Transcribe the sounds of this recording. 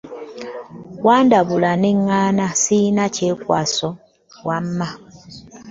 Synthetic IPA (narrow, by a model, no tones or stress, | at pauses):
waːndaβulaneŋːaːnasinace̞ːkwa̰ːso | wamːa